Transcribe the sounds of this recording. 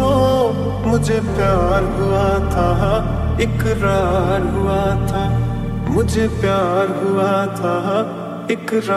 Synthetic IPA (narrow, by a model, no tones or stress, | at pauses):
o | mʊd͡ʒʱepjaːɾɦuat̪ʰaɦ | ɪkɾaːɾɦuat̪ʰaːmʊd͡ʒʱepjaːɾɦuat̪ʰaɦ | ɪkɾa